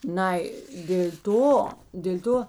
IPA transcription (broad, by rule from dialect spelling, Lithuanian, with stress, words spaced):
ˈnɐɪ dʲeːlʲ ˈtoː dʲeːlʲ ˈtoː